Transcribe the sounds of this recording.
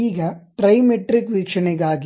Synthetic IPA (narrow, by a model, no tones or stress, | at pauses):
iːɡɐʈɾɐjmeʈɾikʋiːkʂɐnɛɡaːɡ